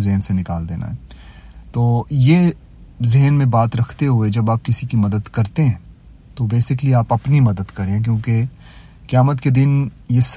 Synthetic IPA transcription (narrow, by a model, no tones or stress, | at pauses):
zɪɦnsenɪkaːld̪ḛːna̰ɦɛːt̪oːje | zɪɦənmẽbaːt̪ɾɐkʰt̪eɦued͡ʒɐbaːp̚kɪsikimɐd̪əd̪kɐɾt̪eɦɛ̃ː | t̪obeːsɪk̬liaːpɐpnimɐd̪əd̪kɐɾẽk̬jõːke | kjaːmət̪ked̪ɪn | jes